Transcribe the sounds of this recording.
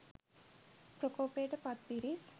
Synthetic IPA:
pɾəkoːpeːʈəpɐt̪piɾis

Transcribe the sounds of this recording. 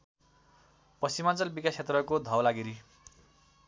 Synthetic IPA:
pʌsimant͡sʌlbikasʰet̪rʌkod̪ʱʌwlaɡiɾi

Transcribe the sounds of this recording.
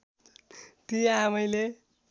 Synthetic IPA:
t̪ijaamʌjle

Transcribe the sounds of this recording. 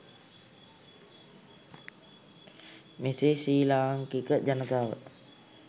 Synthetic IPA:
mesesiːlaːŋkikəd͡ʒanət̪aːʋə̰t̪̚

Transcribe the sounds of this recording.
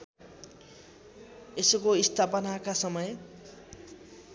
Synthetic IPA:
esokoist̪ʰapʌnakasʌmʌj

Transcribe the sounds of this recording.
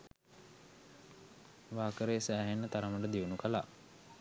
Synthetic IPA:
ʋaːkəɾeːsæːɦenːət̪aɾəməʈəd̪iunukəla̰ʔ

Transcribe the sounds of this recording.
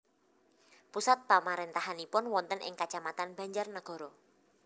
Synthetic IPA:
pusat̪̚pamaɾent̪aɦanipʊnwɔnt̪ənʔɪ̰ŋkat͡ʃamat̪anb̥a̤ɲd͡ʒərnəɡ̥ɔ̤ɾɔ

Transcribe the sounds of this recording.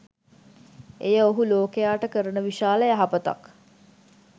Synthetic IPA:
ejəoɦuloːkejaːʈəkəɾənəʋiʃaːləjaɦɐpət̪a̰k

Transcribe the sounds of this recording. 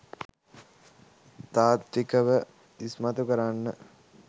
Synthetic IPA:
t̪aːt̪ɾikəʋə | ismat̪ukəɾanːə

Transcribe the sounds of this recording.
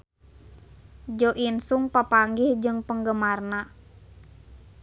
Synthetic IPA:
d͡ʒɔʔinsuŋpapaŋɡihd͡ʒɨŋpəŋɡəmarna

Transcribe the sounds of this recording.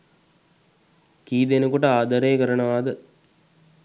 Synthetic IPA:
kiːd̪enukuʈəaːd̪əɾejkəɾəɳəʋaːd̪ə

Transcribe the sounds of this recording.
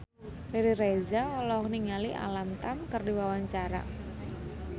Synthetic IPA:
liɾirezaɔlɔkniŋaliʔa̰lamt̪amkərdiwawaɲt͡ʃaɾa̰

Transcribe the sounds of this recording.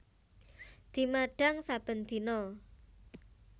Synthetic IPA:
d̪̥i̤maɖ̥a̤ŋsab̥ə̤nd̪̥i̤nɔ

